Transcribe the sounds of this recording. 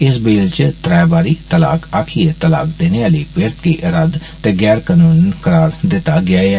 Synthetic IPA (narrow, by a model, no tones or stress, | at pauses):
ɪsbeːlt͡ʃt̪ɾɛːbaːɾiːt̪əla̰ːkaːkʰiːet̪əla̰ːk̚d̪eːneaːliːpeːɾt̪kiːʔəɾəd̪ | t̪eːɡɛːɾkaːnuːnkəɾaːɾd̪ɪt̪ːaːɡɪaːɛː